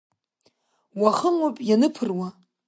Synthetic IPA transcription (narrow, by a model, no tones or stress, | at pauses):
waχəmapʼjanɨpʰɨrwa